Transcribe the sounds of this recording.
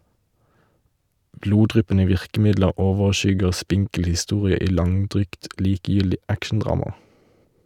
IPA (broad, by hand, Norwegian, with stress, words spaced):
ˈbluːˌdʁʏpənə ˈʋɪʁkm̩ˌɪdləʁ ˈoːʋəʁˌʃʏɡəʁ ˈspɪŋkl̩ hɪˈstuːʁɪə ˈiː ˈlɑŋˌdʁyːɡt ˈliːkəˌjʏldɪ ˈækʃɳ̩ˌdʁɑːmɑ